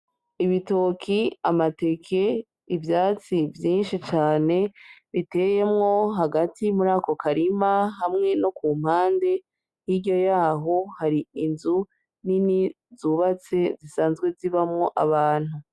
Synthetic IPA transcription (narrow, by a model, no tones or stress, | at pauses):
iβito̞kʰiamate̞kʰe̞ | ivjaːt͡sivjiːnʃit͡ʃaːne̞βite̞je̞mŋo̞ɦaɡatimuɾaːko̞kaɾimaɦamŋe̞no̞kuːm̥haːnde̞ | hiɾɟo̞jaːɦo̞haɾiinzu | nini | zuβat͡se̞zisaːnzɡwe̞ziβamŋo̞ʔa̰βaːn̥hu